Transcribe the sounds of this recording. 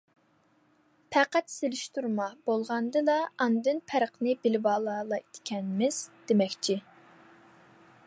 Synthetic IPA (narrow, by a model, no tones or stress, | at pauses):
pʰæqæt̪selɪʃt̪uɾmɑb̥olˠʁɑnd̪ɨd̪ɑɑnd̪ɨnpʰæɾəqnɨbɪlɪbɑːlˠɑːlˠɑt̪kʲʰɛnmɪz̥d̪̥emɛkʲt͡ʃʰi